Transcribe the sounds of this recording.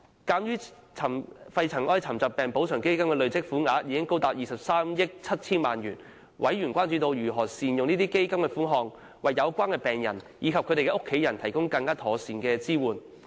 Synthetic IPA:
kaː˧mjyː˥ | t͡sʰɐ˨˩mfɐ˧jt͡sʰɐ˨˩ŋʔɔː˥jt͡sʰɐ˨˩mt͡sɐ˨p̚pːɛː˨˩ŋpo˨˥wt͡sʰœː˨˩ŋke˥jkɐ˥mkɛː˧lɵ˨˧ɥt͡sɪ˥k̚fuː˨˥naː˨˧˥jiː˧kɪ˥ŋko˥wt̪aː˨p̚jiː˨˩sɐ˨p̚saː˥mjɪ˥k̚t͡sʰɐ˥t̚t͡sʰiː˥nmaː˨njyː˨˩n | wʔɐ̰˨˥jɥyː˨˩nkʷwaː˥nt͡ʃyː˧t̪o˧wjyː˨˩ɦɔː˨˩siː˨njʊ˨ŋniː˥t̪iː˥ke˥jkɐ˥mkɛː˧fuː˨˥nɦɔː˨ŋ | wɐ˨jːɐ˨˧wkʷaː˥nkɛ˧pɛː˨ŋjɐ̰˨˩njiː˨˧kʰɐ˨p̚kʰɵ˨˧ɾe˨jkɛ˧ʔʊ˥kʰːe˨˥jɐ˨˩nt̪ʰɐ˨˩jkʊ˥ŋkɐ˧ŋkaː˥t̪ʰɔː˨˥siː˨nkɛː˧t͡siː˥wuː˨˩n

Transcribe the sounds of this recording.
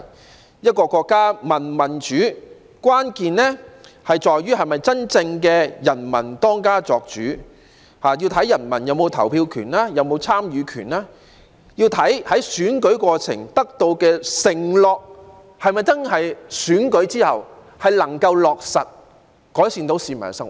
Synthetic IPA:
jɐ˥t̚kɔː˧kʷɔː˧kːaː˥mɐ˨˩nmɐ˨˩nt͡ʃyː˨˥ | kʷwaː˥nkiː˧nnɛ˥hɐ˨jt͡ʃɔː˨jɥyː˥hɐ˨jmɐ˨jt͡sɐ˥nt͡sɪ˧ŋkɛː˧jɐ˨˩nmɐ̰˨˩nt̪ɔː˥ŋkaː˥t͡sɔː˨k̚t͡ʃyː˨˥ | haː˨ji˧wt̪ʰɐ˨˥jɐ˨˩nmɐ̰˨˩njɐ˨˧wmo˨˧wt̪ʰɐ˨˩wpʰiː˧wkʰy̰ː˨˩naː˥jɐ˨˧wmo˨˧wt͡sʰaː˥mjyː˨˧kʰyː˨˩nlaː˥ | jiː˧wt̪ʰɐ˨˥jhɐ˨˥jsyː˨˥nkɵ˨˥ɥkʷɔː˧t͡sʰɪ̰˨˩ŋt̪ɐ˥k̚t̪o˧wkɛː˧sɪ˨˩ŋlɔː˨k̚ | hɐ˨jmɐ˨jt͡sɐ˥nhɐ˨jsyː˨˥nkɵ˨˥ɥt͡siː˥hɐ̰˨w | hɐ˨jlɐ˨˩ŋkɐ˧wlɔː˨k̚sɐ˨t̚ | kɔː˨˥jsiː˧ŋt̪o˨˥wsiː˧mɐ̰˨˩n˦sɐ˥ŋ˨˩

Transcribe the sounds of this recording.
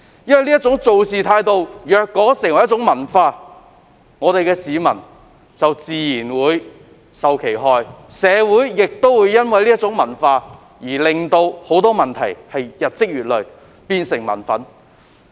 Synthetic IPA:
jɐ˥nwɐ˨˩liː˥ɐ˥t̚t͡sʊ˨˥ŋt͡so˨wsiː˨t̪ʰaː˧jt̪o˨wjœː˨˧kːɔː˨˥sɪ˨˩ŋwɐ˨˩jɐ˥t͡sʊ˨˥ŋmɐ˨˩nfaː˧ | ŋɔː˨˧t̪e˨jkɛː˧siː˨˧mɐ˨˩n | t͡sɐ˨wt͡siː˨jiː˨˩nwuː˨˧j | sɐ˨wkʰe˨˩jɦɔː˨jsɛː˨˧wuː˨˥jːɪ˨k̚t̪o˥wwuː˨˧˥jːɐ˥nwɐ˨jliː˥ɐ˥t̚t͡sʊ˨˥ŋmɐ˨˩nfaː˧ | jiː˨˩lɪ˨ŋt̪o˧who˨˥wt̪ɔː˥mɐ˨nt̪ʰɐ̰˨˩jhɐ˨jjɐ˨t̚t͡sɪ˥k̚ɥyː˨t̚lɵ˨ɥ | piː˧nsɪ˨˩ŋmɐ̰˨˩nfɐ˨˥n

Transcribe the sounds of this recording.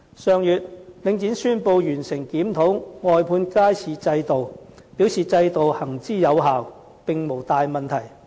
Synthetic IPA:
sœː˨˧ŋjyː˨t̚lɪ˨˧ŋt͡siː˨˥nsyː˥npo˧wjyː˨˩nsɪ˨˩ŋkiː˨˥mt̪ʰo˨˥wŋɔː˨jpʰuː˧nkaː˥jt͡sʰiː˨t͡sɐ˧jt̪o˨w | piː˨˥wsiː˨t͡sɐ˧jt̪o˨whɐ˨˩ŋt͡siː˥˩jɐ˨˧wɦaː˨w | pɪ˨ŋmo˨˩wt̪aː˨jmɐ˨nt̪ʰɐ˨˩j

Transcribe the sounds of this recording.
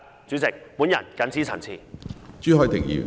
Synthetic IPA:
t͡syː˨˥t͡sɪ˨k̚pu˨˥njɐ̰˨˩nkɐ˨˥nt͡sʰiː˨˥t͡sʰɐ̰˨˩nt͡sʰḭː˨˩t͡ʃyː˥ɦɔː˨˧jt̪ɪ˨˩k̚jy̰ː˨˩

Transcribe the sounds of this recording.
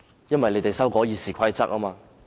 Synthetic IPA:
jɐ˥nwɐ˨jle˨˧jt̪e˨jsɐ˥wkɔː˨˥jiː˨˧siː˨kʷʰɐ˥jt͡sɐ˦˥k̚aː˥maː˧

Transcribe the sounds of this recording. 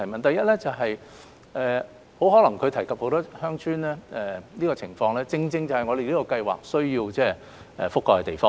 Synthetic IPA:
ɐ˨˩jmɐ˨nt̪ɐ˨jɐ˥t̚lɛː˥t͡sɐ˨wɦɐ˨j | ʔɛː˨ | ho˨˥wɦɔː˨˥lɐ˨˩ŋkʰɵ˨˧t̪ʰɐ˨˩jkʰɐ˨p̚ho˨˥wt̪ɔː˥hœː˥ŋt͡ʃʰyː˥nlɛː˥ʔɛː˨˩liː˥kɔ˧t͡sʰɪ˨˩ŋfɔː˧ŋlɛː˥t͡sɪ˧ŋt͡sɪ˧ŋt͡sɐ˨whɐ˨jŋɔː˨˧ɾe˨jliː˥kɔ˧kɐ˧jwa̰ː˨k̚sɵ˥ɥjiː˧wt͡sɛː˥ | ɛ̰˨fʊ˥kːɔː˧kɛ˧t̪e˨˩jfɔː˥

